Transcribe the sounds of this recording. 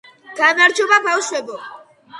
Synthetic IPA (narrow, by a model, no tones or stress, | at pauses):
kanaɾt͡ʃoβapawseko